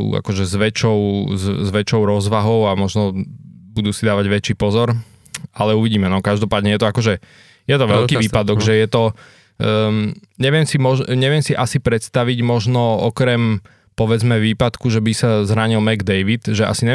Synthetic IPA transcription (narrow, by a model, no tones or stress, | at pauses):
a̰kɔʒɛzʋɛt͡ʃɔʊzzʋɛt͡ʃɔʊɾɔzʋaɦɔʊamɔʒnɔbud̪usid̪aːʋaɟʋɛt͡ʃiːpɔzɔɾ | alɛuʋiɟiːmɛnɔkaʒd̪ɔpaːd̪ɲɛjɛt̪ɔakɔʒɛ | jɛt̪ɔʋɛʎkiʋiːpad̪ɔɡʒɛjɛt̪ɔ | ɲɛʋɪɛmsimɔʒɲɛʋɪɛmsiʔasipɾɛt̪st̪aʋiɟmɔʒnɔɔkɾɛm | pɔʋɛd͡zmɛʋiːpat̪kuʒɛbisazɾaɲilmɛɡd̪ɛjʋit̪ʒɛa̰siɲɛ